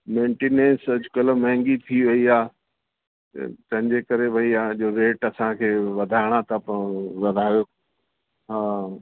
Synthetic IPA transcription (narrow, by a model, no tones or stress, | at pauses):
mẽːɳʈeːnẽːnsɐd͡ʑʊkɐləmɐ̃ɦɪ̃ŋɡit̪ʰiʋɐiaː | t̪ɐ̰t̪ɐ̃ɦɪ̃ɲd͡ʑekɐɾebʱɐiaːʄoːɾeːʈɐsãkʰeːʋɐd̪ʱaːɪɽ̃at̪ɐpɐ̃ʋɐd̪ʱaːjoː | ɦaː